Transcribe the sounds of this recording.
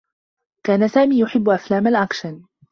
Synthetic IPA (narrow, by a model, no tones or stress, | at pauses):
kaːnasaːmiːjʊħɪbːʊʔaflaːmalʔaqʃan